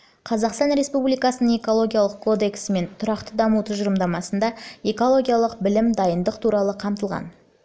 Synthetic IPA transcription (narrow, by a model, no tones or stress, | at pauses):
qʰɑzɑqst̪ɑnɾe̞spublijkɑsənəɴe̞ko̞lˠo̞ɡʲijalˠəqkʰo̞d̪e̞ksɪme̞nt̪ʰʊɾɑqt̪əd̪ɑmut̪ʰʊzʒəɾəmd̪ɑmɑsənd̪ɑe̞ko̞lˠo̞ɡʲijalˠəqbɪlɪmd̪ɑjənd̪əqt̪ʰuɾɑlˠəqʰɑmt̪əlˠʁɑ̰n